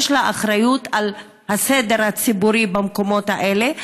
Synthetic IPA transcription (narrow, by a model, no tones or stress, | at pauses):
ʃlaʔaχɾajut̪al | hased̪e̞ɾhat͡sibuɾibamko̞mo̞t̪aʔele